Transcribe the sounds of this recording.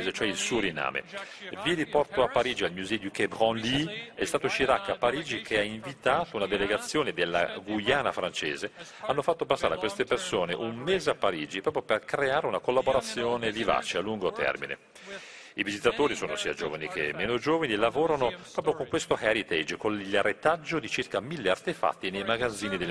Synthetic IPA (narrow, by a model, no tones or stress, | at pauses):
zet͡ʃoɛilsuoɾina̰ːmḛviɾipɔrt̪oapːaɾiːd͡ʒialmjuzɛd̪ikebʁɔ̃nliɛst̪aːt̪oʃiɾakːapːaɾiːd͡ʒikʰeaiɱvit̪aːt̪ounad̪eleɡat̪sːjoːned̪elːa̰ɡujaːnafɾant͡ʃeːze | anːofat̪ːopasːaːɾeakwest̪epersoːneʔummeːzeapːaɾiːd͡ʒipɾɔːp̬ɾjoperkɾeaːɾeunakolːaboɾat̪sːjoːneviva̰ːt͡ʃealːuŋɡot̪ɛ̰rminḛ | ivizit̪at̪oːɾisoːnosiːad͡ʒo̰vanikḛmːeːnod͡ʒoːvanilavoːɾanopɾɔːpɾjokoŋkwest̪ohaɾit̪ɛd͡ʒkonʎaɾet̪ad͡ʒːod̪it͡ʃirkamilːeart̪efa̰t̪ːinejmaɡad̪zːiːnid̪el